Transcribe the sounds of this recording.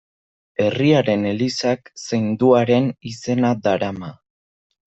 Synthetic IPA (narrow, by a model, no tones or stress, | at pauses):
e̞riaɾe̞ne̞lisaksejnd̪uaɾe̞nise̞naðaɾama